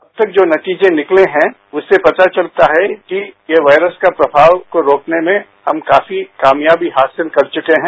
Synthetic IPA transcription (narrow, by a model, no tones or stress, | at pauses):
ɐb̚t̪ɐk̚d͡ʒoːnɐt̪iːd͡ʒẽnɪkleɦɛ̃ | ʊsːepɐt̪at͡ʃɐlt̪aɦɛkijeʋaːɪɾəskapɾɐbʱaːʋkoɾoːknemẽ | hɐmkaːfikaːmjaːbiɦaːsɪlkɐɾt͡ʃʊkeɦɛ̃ː